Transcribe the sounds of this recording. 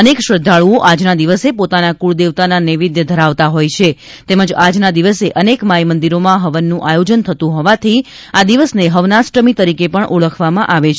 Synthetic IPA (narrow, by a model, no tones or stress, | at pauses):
ənekʃəd̪ʱaɭuoʔad͡ʒnad̪iʋəsepot̪anakuɭd̪eʋt̪ananiʋid̪jəd̪ʱəɾaʋt̪aɦojt͡ʃʰe | t̪eməd͡ʒad͡ʒnad̪iʋəseʔənekmajmənd̪iɾomãɦəʋənːũʔajod͡ʒənt̪ʰət̪ũɦɔʋat̪ʰi | ad̪iʋəsneɦəʋnasʈɾəmit̪əɾikepəɳʔuɭəkʰʋamãʔaʋet͡ʃʰ